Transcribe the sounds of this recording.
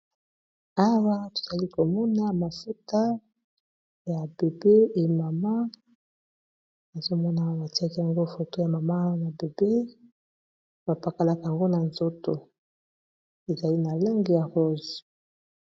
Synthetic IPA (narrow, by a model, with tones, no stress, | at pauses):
a˦wa˦to̥˨z̥a˨li˦ko˨mɔ˦na˦ma˨fu˦ta˦ | ja˨be˨be˦e˨ma˨ma˦ | a˨zo˦mɔ˦na˦ba˨ti˦a˦ki˦ja˨ŋɡo˦fo˨to˦ja˨ma˨ma˦na˨be˨be˦ | ba˨pa˨ka˨la˨ka˨a˨ŋɡo˦na˨nzo˦to˨ | e˨za˨li˦na˨la˦ŋɡi˨ja˨ho˦zo˨